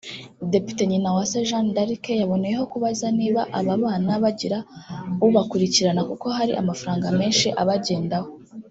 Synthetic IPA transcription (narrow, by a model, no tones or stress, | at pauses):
de̞pi̥te̞ɲinawaseʒandaɾike̞jaβo̞nejeho̞kuβazaniːβaʔaβaβaːnaβaɟiɾauβakuɾiciɾanakuko̞ɦaɾḭʔa̰mafaɾaːŋɡame̞ːnʃiʔaβaɟe̞ːndaho